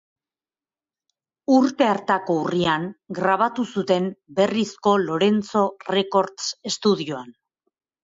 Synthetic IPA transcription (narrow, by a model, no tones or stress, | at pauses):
uɾt̪e̞aɾt̪ako̞uriaŋɡɾaβ̞at̪usut̪e̞mbe̞risko̞lo̞ɾe̞nt͡so̞re̞ko̞ɾt̪t͡se̞st̪uðioan